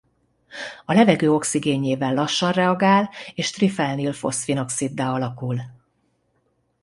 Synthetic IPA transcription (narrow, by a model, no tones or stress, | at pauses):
ɒlɛvɛɡøːo̞ksiɡeːɲeːvɛlːɒʃːɒnrɛɒɡaːleːʃt̪rifɛlnilfo̞̰sfino̞ksid̪ːaːɒlɒkul